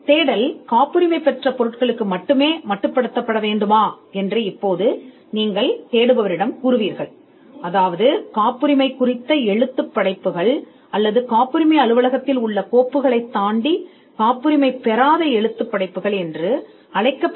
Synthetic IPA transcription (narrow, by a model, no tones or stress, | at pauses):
t̪eːɽɐlkaːpːɯɾɪmɐɪpːɛʈrɐpɔɾɯʈ̚kɐɭɯkːɯmɐʈːɯmeːmɐʈːɯpːɐɽɯt̪ːɐpːɐɽɐʋeːɳɖɯmaː | ɛndrɯɪpːoːðɯ | niːŋɡɐɭt̪eːɽɯʋɐʋɐɾɪɽɐmkʊɾʊʋiːɾɣɐɭ | ɐðaːʋɐðɯkaːpːɯɾɪmɐɪkʊrɪt̪ːɐɛɻɯt̪ːɯpːɐɽɐɪpːɯɣɐɭ | ɐlːɐðɯkaːpːɯɾɪmɐɪɐlɯʋɐlɐɣɐt̪ːɪlʊɭːɐkoːpːɯɣɐɭɐɪt̪ːaːɳɖi | kaːpːɯɾɪmɐɪpɛɾaːðɐɛɻɯt̪ːɯpːɐɽɐɪpːɯɣɐɭɛndrɯ | ɐɽɐɪkːɐpː